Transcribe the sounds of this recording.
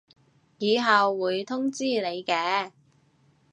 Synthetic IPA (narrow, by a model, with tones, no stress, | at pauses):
jiː˨˧ɦɐ˨wːuː˨˧jt̪ʰʊ˥ŋt͡siː˥le˨˧jkɛː˧˥